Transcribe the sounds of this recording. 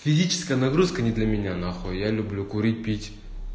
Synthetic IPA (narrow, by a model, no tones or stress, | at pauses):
fʲɪzʲit͡ɕɪ̥skəjənɐɡɾuskənʲɪd̪lʲəmʲɪnʲanaxojalʲʊblʲukʊɾʲit̚ʲpʲitʲ